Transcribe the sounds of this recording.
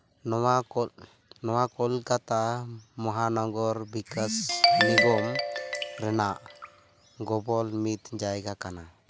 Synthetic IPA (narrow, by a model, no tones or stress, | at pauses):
nɔwa | nɔwakɔlkat̪amɔɦanɔɡɔɾbikasniɡɔmɾɛnaʔ | ɡɔbɔlmit̪d͡ʒajɡakana